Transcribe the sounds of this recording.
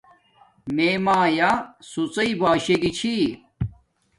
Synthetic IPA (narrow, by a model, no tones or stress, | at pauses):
meːmaːjasut͡sɐibaːɕeɡit͡ɕʰi